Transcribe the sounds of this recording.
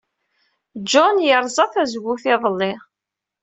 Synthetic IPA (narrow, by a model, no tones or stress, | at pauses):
d͡ʒɔnjəɾˤzˤɑθæzɡʷʊθɪðˤəlːɪʁ